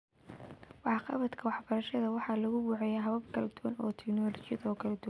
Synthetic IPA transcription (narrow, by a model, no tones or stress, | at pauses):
wɑħqɑβɐt̪kʰɐwɑħbɐɾɐʃɐðɐwɑħɑːlɐɣʊbuːʕɛjaɦɐβɐb̚kʰɐlɐd̪ʊwɐnɔːt̪ʰɪknɔːlɔt͡ʃjɐðɔːkʰɐlɐd̪ʊwn